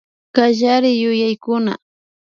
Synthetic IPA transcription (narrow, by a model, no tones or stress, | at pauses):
kaʒaɾɪjʊjajkʊna̰